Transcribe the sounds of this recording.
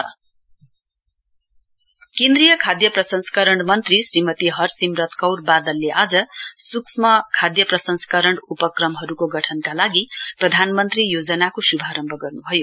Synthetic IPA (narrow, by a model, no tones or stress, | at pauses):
kẽnd̪rijʌkʰad̪jʌprʌsʌnskʌɾʌɳmʌnt̪risrimʌt̪iɦʌrsimrʌt̪kʌwrbad̪ʌlːeʔad͡zʌsuksmʌkʰad̪jʌprʌsʌnsʌ̥kʌɾʌɳɖupʌkrʌmɦʌɾukoɡʌʈʰʌnkalaɡiprʌd̪ʱanmʌnt̪rijod͡zʌnakosubʱaɾʌmbʱʌɡʌrnubʱʌjo